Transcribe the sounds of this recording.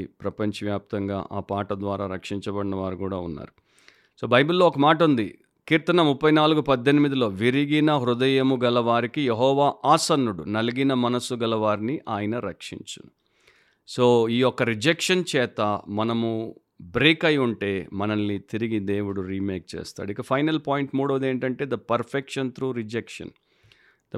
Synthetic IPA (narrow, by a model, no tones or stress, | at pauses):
pɾɐpɐɲt͡ʃɐʋjaːp̚t̪ɐŋɡa̰ːʔaːpaːʈɐd̪ʋaːɾaːɾɐkʂiɲt͡ʃɐbɐɽinɐʋaːɾikuːɽaːunːa̰ːɾu | so̞ːbɐjbulːoːɔkɐmaːʈ̬ɐund̪ḭ | kiːɾt̪ɐnɐmupːɐjnaːluɡupɐd̪ːenimid̪ilo̞ːʋiɾiɡinɐɦɾud̪ɐjɐmuɡɐlɐʋaːɾikijeɦɔːʋaːʔaːsɐnːuɽunɐliɡinɐmɐnɐsːuɡɐlɐʋaːɾiniʔaːjɐnɐɾɐkʂḭɲt͡ʃṵn | so̞ːiːɔkɐɾid͡ʒekʂɐnt͡ʃɛːt̪ɐmɐnɐmu | bɾiːkɐjuɳʈe̞ːmɐnɐnːit̪iɾiɡid̪e̞ːwuɽuɾiːmeːk̚t͡ʃḛːst̪a̰ːɽuikːɐpʰɐjnɐlpaːjiɳʈmuːɽoʋɐd̪eːɳʈɐɳʈe̞ːd̪ɐpɐɾpʰekʂɐnt̪ɾuːɾid͡ʒekʂɐ̰n | d̪̥ɐ